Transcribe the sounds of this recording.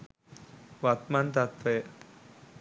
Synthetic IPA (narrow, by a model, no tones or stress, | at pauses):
ʋɐt̪mant̪ɐt̪ʋɐj